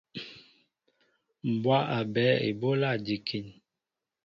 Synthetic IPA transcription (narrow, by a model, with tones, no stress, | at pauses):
m̩˨bwa˦ʔa˨bɛ˨˦ḛ˨bo˦la˦˨di˨kʰi˨n